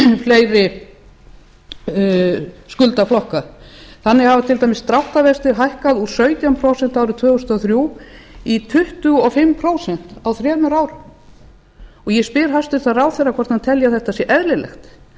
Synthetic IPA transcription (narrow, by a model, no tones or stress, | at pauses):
fleːjɾɪ | skʏlt̪aflɔhkaθanːɪhavat̪ʰɪlt̪ajmɪsːt̪ɾawht̪avɛst̪ɪɾɦajhkaðu̥sœːɥt̪jampʰɾoːwsɛn̥t̪awɾʏt̪ʰvœːɣʏst̪ɔθɾjuːit̪ʰʏht̪ʏɔfɪmːpʰɾoːwsɛn̥t̪awθɾjɛːmʏɾaːwɾʏ | ɔɣjɛspɪɾɦast̪ɪɾ̥θaraːwθɛjrːakʰvɔɾ̥t̪hant̪ʰɛljaθɛht̪asjɛʔɛðlɪlɛ̰xt̪